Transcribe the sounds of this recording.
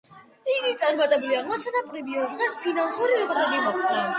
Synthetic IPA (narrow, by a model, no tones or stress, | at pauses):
iɡit̪sʼaɾmat̪ʼɛbuliaʁmɔt͡ʃʰɛnd̪apʼɾibiɔd̪zɛspʰinansuɾivɛt̪ʼχɛbimɔkʰt̪sʰʼɾɛ